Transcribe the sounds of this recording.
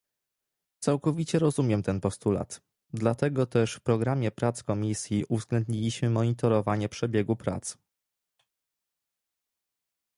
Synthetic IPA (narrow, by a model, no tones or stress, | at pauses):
t̪sawkɔvʲit͡ɕɛɾɔzumʲjɛmt̪ɛnpɔst̪ula̰t̪ | d̪lat̪ɛɡɔt̪ɛʂfpɾɔɡɾamʲjɛpɾat̪skɔmʲisʲjiʔuvzɡlɛnd̪ɲilʲiɕmɘmɔɲit̪ɔɾɔvaɲɛpʂɛbʲjɛɡupɾa̰t̪s